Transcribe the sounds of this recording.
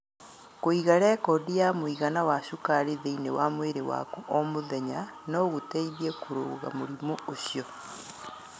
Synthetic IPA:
koiɣaɾɛkɔdijamoiɣanawaɕukaɾeðeinewamweɾewa̰kuʔɔmoðɛɲanɔɣotɛiðiɛkoɾoːɣa̰moɾimooɕjɔ

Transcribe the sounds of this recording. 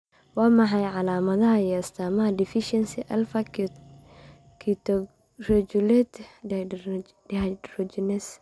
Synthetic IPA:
wɑːmɑħɑjʕɑlaːmɐðɐɦɐiɐst̪ʰaːmɐɦɐdifiʃɛnsiʔɐlfɐk | kʰit̪ɔ | rɛd͡ʒulɛt̪ | arɔd͡ʒinɛs

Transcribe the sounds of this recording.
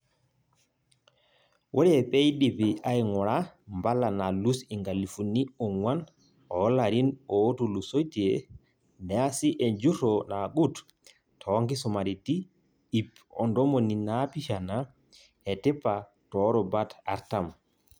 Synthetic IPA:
wʔoɾɛɛpɛjdipiajŋɔɾambalanalusiŋɡalifuniɔŋwan | ɔlaɾinotulusojtiɛ | mɛasiʔɛnd͡ʒutɔnaɡut | tʰɔŋɡisɔmaɾitiː | p | ɔ̰ndɔmɔninapiʃana | ɛtɛpːa | tɔɾɔbata̰ɾtam

